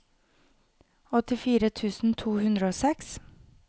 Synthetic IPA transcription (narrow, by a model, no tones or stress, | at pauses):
ɔt̪ɪfiːɾət̪ʰʉːsn̩t̪ʰuːhʉnd̪ɾəoːsɛks